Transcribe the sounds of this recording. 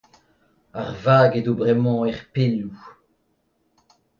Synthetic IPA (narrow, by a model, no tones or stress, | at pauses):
aʁvaːɡedobʁɛmɑ̃ɛʁpelu